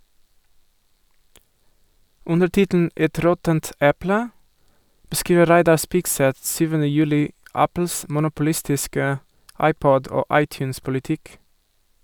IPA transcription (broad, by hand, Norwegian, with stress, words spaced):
ˈʊndəɾ ˈtɪtn̩ ˈɛt ˈɾɔtənt ˈɛplə bəˈskiːʋə ˈɾæɪdɑ ˈspɪɡsɛt ˈsyːʋənə ˈjʉːlɪ ˈɑpl̩s mʊnʊpʊˈlɪstɪskə ˈɑɪˌpɔd ˈoː ˈɑɪˌtjʉːns pʊlɪˈtɪk